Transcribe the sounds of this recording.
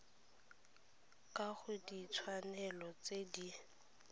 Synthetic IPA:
kʼaχʊdit͡sʰwanɛlɔt͡sedi

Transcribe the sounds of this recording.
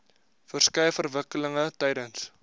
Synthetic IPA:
fərskɛjəfərvəkələŋətɛjdəns

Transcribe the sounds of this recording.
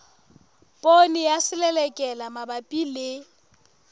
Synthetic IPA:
pʼonɪjasɪlɛlɛkʼɛlamabapʼilɪ

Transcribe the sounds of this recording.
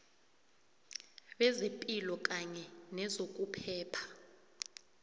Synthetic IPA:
ɓɛzepʼilɔk̬ʼaɲɛnɛzok̬ʼupʰɛːpʰḁ

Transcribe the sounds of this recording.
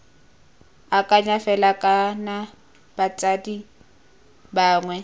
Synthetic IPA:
akʼaɲafɛlakʼana | b̥at͡sʼadi | baːŋwɛ

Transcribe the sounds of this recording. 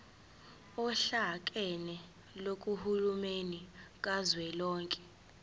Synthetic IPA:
ɔɬakʼɛnɛ | lok̬ʼuhulumenik̬ʼazwɛlɔːŋkʼɛ̥

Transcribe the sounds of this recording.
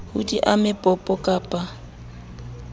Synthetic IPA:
hʊ̰diʔamɪpʼɔpʼɔkʼaːpʼa

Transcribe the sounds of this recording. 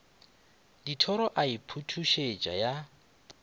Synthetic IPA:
ditʰɔɾɔʔaipʰutʰuʃet͡ʃʼa̰ja

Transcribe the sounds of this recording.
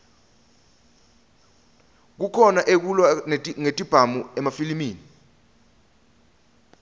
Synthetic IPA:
k̬ukʰɔnaʔek̬ulwaŋetʼib̥ʱamuɛmafilimiːni

